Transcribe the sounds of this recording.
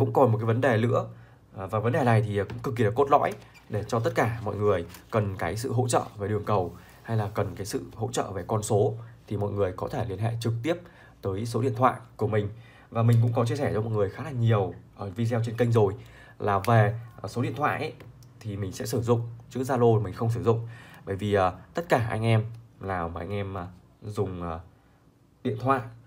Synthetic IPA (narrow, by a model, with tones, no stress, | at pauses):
kʊ̰˧˥ŋ͡mkɔ˨˩nm̚˨˩kaː˨˦jvə˨˦nɗe˨˩lɨ̰˧˥ə˨˩ | vaː˨˩və˨˦nɗe˨˩na˨˩jt̪ʰi˨˩˨kʊ̰˧˥ŋ͡mkɨ˨˩k̬̚ːi˨˩la˨˩ko˦˥t̚lɔ̰˧˥j | ɗe˧˩t͡ɕɔ˧t̪ə˦˥t̚kaː˧˩mɔ̰˧˨jŋɨ˨˩əjkə˨˩nkaː˨˦jsɨ̰˧˨ɦo̰˧˥t͡ɕə̰ː˧˨ve˨˩ɗɨ˨˩əŋkə˨˩w | ha˧jlaː˨˩kə˨˩nkaː˨˦jsɨ̰˧˨ho̰˧˥t͡ɕə̰ː˧˨ve˨˩kɔ˧nso˨˦t̪ʰi˨˩mɔ̰˧˨jŋɨ˨˩əjkɔ˨˦t̪ʰe˧˩li˧˩ənɦḛ˧˨t͡ɕɨ˨˩k̚t̪i˦˥əp̚ | t̪əː˨˦jso˨˦ḭ˧˨t̪ʰwa̰ː˧˨jku˧˩əmï˨˩ŋ̟ | vaː˨˩mï˨˩ŋ̟k̬ʊ̰˧˥ŋ͡mkɔ˨˦t͡ɕi˧əsɛː˧˩t͡ɕɔ˨˦mɔ˨˩t̚ŋɨ˨˩əjxaː˨˦laː˨˩ɲi˨˩əwʔəː˨˧˩vi˧zɛ˧wt͡ɕe˧nkə˧ŋzo˨˩j | laː˨˩ve˨˩˨so˨˦ɗḭ˧˨ənt̪ʰwa̰ː˧˨jʔ | t̪ʰi˨˩mï˨˩ŋ̟sɛ̰˧˥sɨ˧˩zʊ̰˧˨ŋ͡mt͡ɕɨ˦˥k̚zaː˧lo˧mï˨˩ŋ̟xə˧wŋ͡ms̬ɨ˧˩zʊ̰˧˨ŋ͡mɓəː˧˩jvi˨˩ʔəː˨˩t̪ə˦˥t̚kaː˧˩ʔa̰˧jŋʔɛ˧mlaː˨˩wʔa˧jŋ̟ʔɛ˧mː˨˩ | zʊ˨˩ŋ͡mʔəː˨˩ | ɗḭ˧˨ənt̪ʰwa̰ː˧˨jʔ